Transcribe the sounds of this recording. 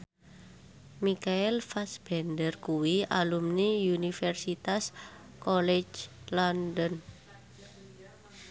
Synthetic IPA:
mikaɛlfasb̥ɛndərkuwialumniunifɛrsit̪as | kolɛ̥d͡ʒlɔndən

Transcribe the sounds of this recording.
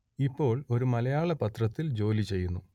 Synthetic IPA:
ipːo̞ːɭo̞ɾumɐlɐjaːɭɐpɐt̪rɐt̪ːild͡ʑo̞ːlit͡ɕe̞jːunːu

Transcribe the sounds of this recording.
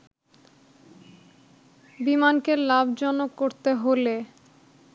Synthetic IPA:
bimankelabd͡ʑɔnokːoɾt̪eɦole

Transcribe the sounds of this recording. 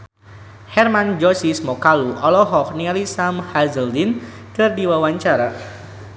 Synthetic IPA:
hɛrmand͡ʒɔsismɔkaluɔlɔɦɔk̚nialisamhazəldin | kɨrdiwawaɲt͡ʃaɾa

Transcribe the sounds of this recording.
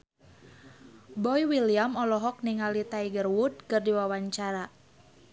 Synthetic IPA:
bɔjwilijamɔlɔɦɔk̚niŋalit̪aiɡərwud̚kərdiwawaɲt͡ʃaɾa

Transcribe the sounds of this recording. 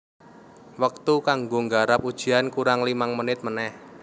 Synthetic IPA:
wək̚t̪ukaŋɡoŋɡaɾap̚ud̥ʒ̥i̤ankuɾaŋlimaŋmənɪt̪̚mənɛh

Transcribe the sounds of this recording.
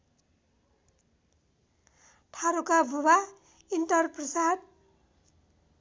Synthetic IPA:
ʈʰaɾukabʱuba | inʈʌrprʌsad̪̚

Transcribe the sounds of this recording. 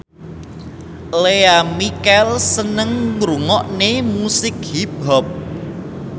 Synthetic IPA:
leamikɛlsənəŋːɾuŋɔʔnemusɪk̚hib̥ɔp̚

